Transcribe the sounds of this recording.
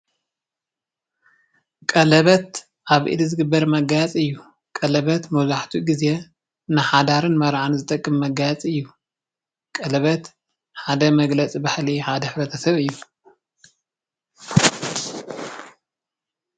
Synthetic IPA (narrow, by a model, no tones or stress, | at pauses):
kʼɐlɐβɐt̪ | ʔaβʔɨ̰d̪izɨɡɨbːɐɾmɐɡat͡sʼɨjːu | kʼɐlɐβɐt̪mɐzaħt̪ʰuɡize | nɨħad̪aɾɨnmɐɾʕanzɨt̪ʼɐkʼːɨmːɐɡajt͡sʼɨjːu | kʼɐlɐβɐt̪ | ħad̪ɐmɐɡlɐt͡sʼibaħliħad̪ɐħɨbɐt̪ʰɐsɐβɨjːu